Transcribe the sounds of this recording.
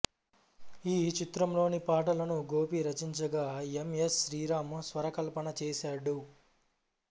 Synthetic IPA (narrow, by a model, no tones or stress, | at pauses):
iːt͡ʃit̪ɾɐmlo̞ːnipaːʈ̬ɐlɐnuɡo̞ːpiɾɐt͡ʃiɲt͡ʃɐɡaːemesʃɾiːɾaːmsʋɐɾɐkɐlpɐnɐt͡ʃɛːsaːɽu